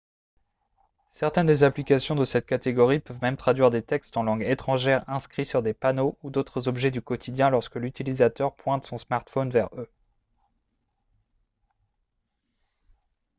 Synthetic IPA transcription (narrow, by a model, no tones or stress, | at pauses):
sɛʁt̪ɛnd̪ezaplikasjɔ̃d̪əsɛt̪̚kat̪eɡɔʁipœvmɛmt̪χad̪ɥiʁd̪et̪ɛkst̪ɑ̃lɑ̃ɡet̪χɑ̃ʒɛʁɛ̃skχisyʁd̪epanoud̪ot̪χəzɔbʒɛd̪ykɔt̪ʰid̪jɛ̃lɔʁskəlyt̪ilizat̪œʁpwɛ̃t̪sɔ̃smaʁt̪fɔnvɛʁø